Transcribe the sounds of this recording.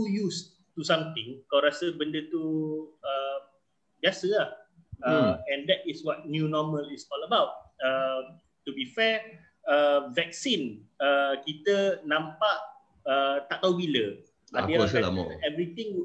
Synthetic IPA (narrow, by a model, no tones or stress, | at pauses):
t̪ujus | t̪usãmt̪ɪ̃ŋkawɾasəbəndət̪uə | bjasəlah | əɛ̃nd̪ɛt̚ɪswɔt̚njunɔməlɪsɔləbawt̚ə | t̪ubifɛ | əvɛk̚sinəkit̪ənãmpaʔ | ət̪aʔt̪awbilə | adəaɛa̰ɛvɾit̪ɪ̃ŋ